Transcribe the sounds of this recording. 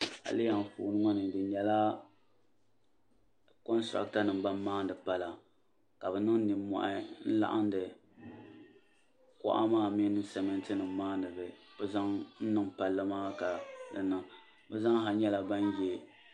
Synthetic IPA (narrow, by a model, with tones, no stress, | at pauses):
ha̰˨li˦a˨m˨fṵː˨nɨ˦ŋɔ˦nɨ˨dɨ˨ɲɛ˨la˦ | kɔ˦nstɾa̰˦k̚ta˦nɨ˨mba˦mː˦aː˦ndɨ˨pa˦la˨ | ka˨bɛ˨nɨ˦ŋ˦ni˨mːɔ̰˨ʔa˦n̩˦la̰˦ʔa̰˦ndɨ˨ | kɔ̰˦ʔa̰˦maː˦mi˦nɨ˦sɛ˨mɛ˦ntɨ˦nɨ˨mmaː˦nɨ˨bɨ˨b̥ɛ˦za˦ŋn̩˦nɨ˦ŋpa˨lːa˦maː˦ka˨dɨ˨nɨ˨ŋ | bɛ˦za˦ŋɦa˨ɲɛ˦la˦ba˦n˦jɛ˦